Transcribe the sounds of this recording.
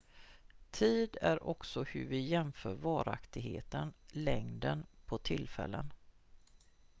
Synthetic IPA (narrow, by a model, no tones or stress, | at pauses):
t̪ʰiːd̪æɾʔɔksɔhɵɾvɪjɛmfœːɾvɑːɾa̰kt̪ɪɡheːt̪ənlɛŋd̪ənpʰɔt̪ʰɪlːfɛ̰lːən